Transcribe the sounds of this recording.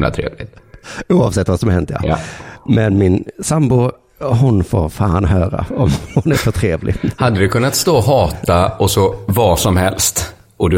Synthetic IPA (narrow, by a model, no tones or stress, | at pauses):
la̰t̪ʰɾḛːvlɪt̪uːɑvsɛt̪ːvasɔmhɛnt̪ːəja̰mɛnmɪnsambʊ | ɦʊnfo̰ːɾfaːnɦœːɾa̰ɔmhʊnæɾfœʈ̪ʰɾeːvlɪhad̪ːəd̪ɵkʰɵnːat̪st̪oːɔɦɑːt̪aɔsɔvɑʂɔmhɛlst̪ | ʔɔd̪